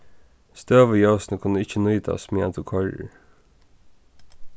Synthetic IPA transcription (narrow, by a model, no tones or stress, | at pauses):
st̪øːʋəjowsnəkʰʊnːəɪt͡ʃːənuːt̪a̰smiːa̰nt̪ukʰɔɻɪ̰ɹ